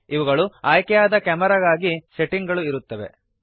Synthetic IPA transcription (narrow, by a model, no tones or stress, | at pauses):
iʋuɡɐɭuaːjkɛjaːd̪ɐkɐmɐɾɐɡaːɡise̞ʈiŋɡɐɭuiɾut̪ːɐʋe̞̰